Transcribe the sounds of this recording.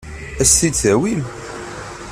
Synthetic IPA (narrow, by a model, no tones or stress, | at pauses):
æsːit͡sæwim